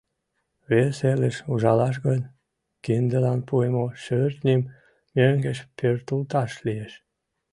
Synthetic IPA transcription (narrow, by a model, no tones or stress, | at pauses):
βeseləʃuʒɑlɑʃ̬ɣonʲ | kind̪əlɑnpuemoʃørt̪nʲim | møŋɡəʃpørt̪ult̪ɑʃlieʃ